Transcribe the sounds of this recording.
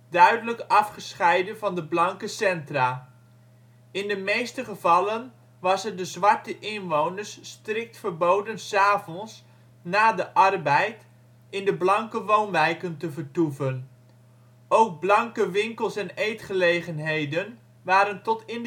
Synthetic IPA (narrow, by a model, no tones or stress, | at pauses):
dœɥdələkɑfχəsχɛjdənvɑndəblɑŋkəsɛntraː | ɪndəmejstəχəvɑlən | ʋɑsɛdəzʋɑɹtəʔɪnʋownəɹsːtrɪk̚tfəɹbowdənsaːvɔns | naːdəʔɑrbɛjt | ɪndəblɑŋkəʋownʋɛjkəntəvəɹtufən | owɡ̚blɑŋkəʋɪŋkəlˠsɛnejtχəlejχənɦejdən | ʋaːɾəntɔtɪn